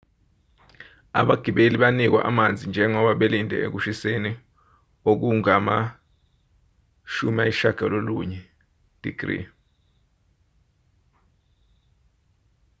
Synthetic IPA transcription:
a̰ɓaɡ̥ʱiɓeliɓanik̬wa̰ʔa̰mand͡zʱind͡ʒʱɛŋɔɓaɓelindʱɛ̰ḛk̬uʃiseni | ok̬uŋama | ʃumaiʃaɡ̥ʱaloluɲɛ | d̥ʱḭɡ̥rḭ

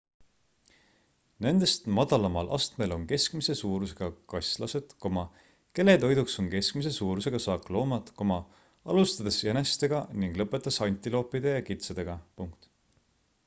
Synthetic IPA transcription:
ne̞nd̪̥e̞st̪mɑd̪̥ɑlɑmɑlʔɑ̰st̪me̞lo̞nke̞skmise̞suːɾuse̞ɡ̥ɑkɑjslɑse̞d̪̥ko̞mɑ | ke̞lːe̞t̪o̞jd̪ukso̞nke̞skmise̞suːɾuse̞ɡ̥ɑsɑːklo̞ːmɑd̪ko̞mɑ | ɑlust̪ɑd̪̥ese̞nest̪e̞ɡ̥ɑniŋɡ̥lɤpːˑe̞t̪ːˑɑsɑnʲt̪ilo̞ːpːˑid̪̥e̞jɑkit̪sɑd̪̥e̞ɡ̥ɑpuŋk̚t̪

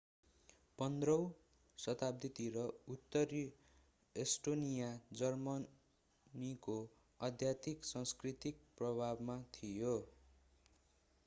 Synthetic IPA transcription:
pʌnd̪rʌw̃ | sʌt̪ab̚d̪it̪iɾʌut̪ːʌɾi | esʈonijad͡zʌrmʌ | niko | ʌd̪ʱjat̪iksʌŋskrit̪ik̚prʌbʱabmat̪ʰijo

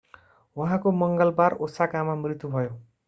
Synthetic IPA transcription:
wʌɦãkomʌŋɡʌlbarosakamamrit̪jubʱʌjo

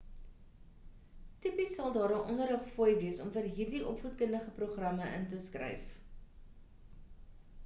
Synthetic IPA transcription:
tipisɐlˠdɑːɾəʔɔnəɾɦəχfojviəsɔmfərɦiːrdiʔɔpfut̚kəndəχəproχrɐməʔə̰ntəskrɛ̰jf

